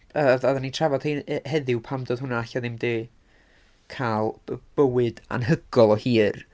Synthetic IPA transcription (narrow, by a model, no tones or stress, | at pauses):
əðaðanitʰravɔd̥hihɛðɪwpʰamdoːð̥ɦʊnaaɬaðɪmdɪː | kʰaːlˠb̥əwɨda̰nɦəɡɔlˠɔhiːr